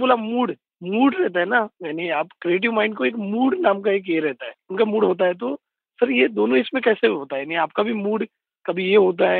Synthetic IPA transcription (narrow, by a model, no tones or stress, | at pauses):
boːlamuːɽ | muːɽɾɛɦt̪̬aɦɛnajaːniaːpkɾieːʈ̬iʋmãːɪɳɖkoeːkmuːɽnaːmkaeːk̬jeɾɛɦt̪aɦɛːʊnkamuːɽɦoːt̪̬aɦɛt̪̬o | sɐɾjed̪oːnõɪsmẽkɛːseɦoːt̪aɦɛjaːniaːp̚kabʱimuːɽ | kɐbʱijeɦoːt̪̬aɦɛ